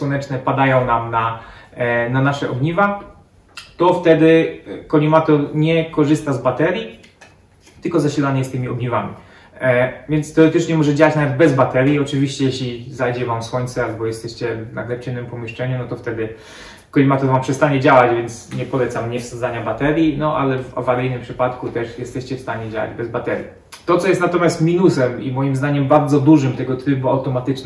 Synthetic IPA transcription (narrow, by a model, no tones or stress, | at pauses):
swɔnɛt͡ʂnɛpad̪ajɔ̃w̃namna | nanaʂɛʔɔɡɲiva | t̪ɔft̪ɛd̪ɘkɔlʲimat̪ɔɲɛkɔʐɘst̪azbat̪ɛɾʲji | t̪ɘlkɔzaɕilaɲɛst̪ɘmʲiɔɡɲivamʲḭ | vʲjɛnt̪st̪ɛɔɾɛt̪ɘt͡ʂɲɛmɔʐɛd͡ʑawat͡ɕnavɛd̪̚bɛzbat̪ɛɾʲjiɔt͡ʂɘvʲiɕt͡ɕɛjɛɕlʲizajd͡ʑɛvamswɔɲʲt̪sɛalbɔjɛst̪ɛɕt͡ɕɛna̰ɡlɛpt͡ɕɛnɘmpɔmʲjɛʂt͡ʂɛɲunɔt̪ɔft̪ɛd̪ɘ | kɔlʲimat̪uvampʂɛst̪aɲɛd͡ʑawad͡ʑvʲjɛnt̪sɲɛpɔlɛt̪samɲɛfsɔzaɲabat̪ɛɾʲjinɔʔa̰lɛva̰vaɾɛjnɘmpʂɘpat̪kut̪ɛʂjɛst̪ɛɕt͡ɕɛfst̪aɲɛd͡ʑawa̰d͡ʑbɛzbat̪ɛɾji | t̪ɔt̪sɔjɛst̪nat̪ɔmʲjast̪mʲinusɛmḭmɔjimzd̪aɲɛmbaɾd̪zɔd̪uʐɘmt̪ɛɡɔt̪ɾɘbuawt̪ɔmat̪ɘt͡ʂ̪